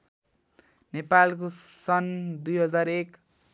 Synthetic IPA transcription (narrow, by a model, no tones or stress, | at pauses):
nepalkosʌnd̪ujɦʌd͡zaɾek